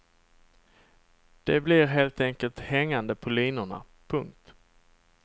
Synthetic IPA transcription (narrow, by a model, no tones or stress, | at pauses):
d̪̥ɛblɪɾɦeːlt̪ɛŋkəlt̪hɛŋːand̪əpʰɔliːnʊɳa̰ | pʰɵŋk̚t̪